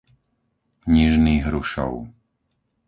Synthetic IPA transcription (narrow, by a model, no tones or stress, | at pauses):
ɲiʒniːɦɾuʃɔ̰ʊ